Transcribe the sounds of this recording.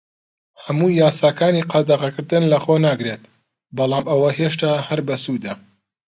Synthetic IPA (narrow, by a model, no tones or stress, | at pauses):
hɐmuːjaːsaːkaːniqʰɑd̪ɐʁɐkɨɾd̪ɨnlɐχonaːɡɾet̪ | bɑlˠɑːmʔɐwɐheʃ̬t̪aːhɐɾbɐsud̪ɐ